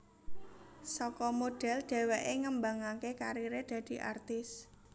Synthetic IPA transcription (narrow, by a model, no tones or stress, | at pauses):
sɔkɔmoɖ̥ɛ̤lɖ̪̥ɛ̤wɛʔeŋəmbaŋakekaɾiɾed̪̥ä̤d̪̥i̤ʔa̰rt̪ɪs